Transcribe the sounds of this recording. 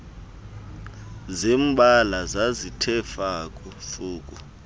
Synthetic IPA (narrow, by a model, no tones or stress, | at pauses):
zimbʱalazazitʰɛfakʼufuːk̬ʼu